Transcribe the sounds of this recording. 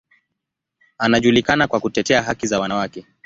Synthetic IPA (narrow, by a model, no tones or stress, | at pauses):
anaʄulikanakwakutɛtɛaɦakizawanawakɛ